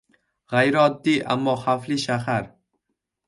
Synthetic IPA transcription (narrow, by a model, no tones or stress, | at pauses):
ʁajɾɒd̪ːiʔa̰mːɒχafliʃaɦaɾ